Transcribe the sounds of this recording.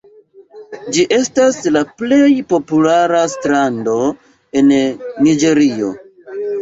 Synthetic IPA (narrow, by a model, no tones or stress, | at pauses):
d͡ʒiʔe̞staslaple̞jpo̞pulaɾastɾando̞ | e̞nːid͡ʒe̞ɾio̞̰